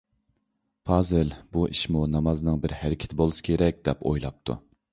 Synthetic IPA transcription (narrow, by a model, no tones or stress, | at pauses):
pʰɑːzɨlbuʔiʃmunɑmɑznɨŋbɪɾhæɾɪkʲʰɪ̥t̪ʰɪbolˠɨsɨ̥kʲʰeɾɛk̚ʲd̪ɛpojlˠɑp̚t̪ʰṵ